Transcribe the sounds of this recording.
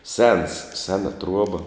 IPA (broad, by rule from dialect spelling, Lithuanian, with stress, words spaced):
sʲɛns ˈsʲæːnɐ ˈtruɔbɐ